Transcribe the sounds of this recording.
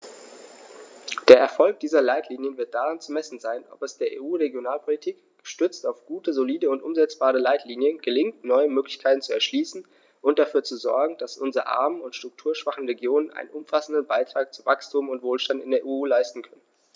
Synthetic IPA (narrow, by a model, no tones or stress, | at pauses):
d̥eːɐʔɛɐfɔlk̚d̥iːzɐlaɪtʰliːnjənvɪɐt̚d̥aʁant͡sumɛsn̩zaɪnʔɔ̰pɛsd̥eːɐʔḛːʔuːʁeɡjonaːlpʰolitʰiːk | ɡ̥ə̥ʃtʏt͡staʊfɡ̥uːtəzoliːdəʊntʔʊmzɛt͡sb̥aːʁəlaɪtʰliːnjənɡəlɪŋktnɔʏəmøːklɪçkʰaɪtn̩t͡suɛɐʃliːsn̩ | ʔʊnt̚d̥afyːɐt͡suzɔɐɡŋ̩d̥asʔʊnzʁəʔa̰ɐmənʊntʃtʁ̥ʊk̚tʰuːɐʃv̥aχn̩ʁeɡjoːnənʔa̰ɪnə̰nʔʊmfasn̩dənbaɪtʁ̥aːk̚t͡suvakstʰuːmʊntv̥oːlʃtantɪ̰ndeːɐʔuːlaɪstn̩kʰœnən